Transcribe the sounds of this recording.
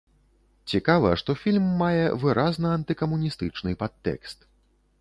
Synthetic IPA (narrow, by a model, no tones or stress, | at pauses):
t͡sʲikavɐ̰ʂt̪ɔfʲilʲmːajɛ̰vɨɾʔaznɐɐnt̪ɨkɐmunʲist̪ɨt͡ʂnɨpat̪ːɛ̰kst̪